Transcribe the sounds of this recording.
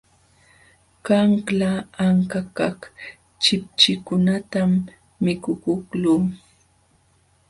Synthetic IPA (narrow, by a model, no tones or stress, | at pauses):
kaŋklaːŋkakak | t͡ʃɪp̚t͡ʃɪkʊnat̪amː | ɪkʊkʊkluː